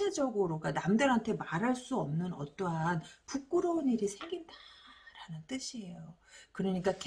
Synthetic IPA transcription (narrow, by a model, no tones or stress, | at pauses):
ed͡ʑʌɡɯɾoɡanamdɯɾɦantʰe̞maɾɦaɭs͈uʌmnɯnʌt͈oɦanpuk͈̚ɯɾʌuniɾisʰe̞ŋɡindaɾanɯnt͈ɯɕʰie̞jokɯɾʌɲik͈ak